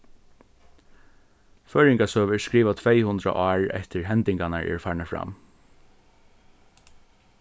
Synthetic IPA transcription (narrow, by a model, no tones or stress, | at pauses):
fœːɹɪŋkasœːʋəɹskɾiːʋat̪ʰvejhʊnd̪ɾa̰ʔɑːɹɛ̰ht̪ɪɹɦɛnt̪ɪŋkanaɹɛ̰ɹfaːɹɳafɾa̰m